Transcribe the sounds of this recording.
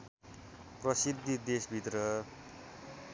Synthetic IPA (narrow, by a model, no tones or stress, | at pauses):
prʌsid̪ʱid̪esbʱit̪rʌ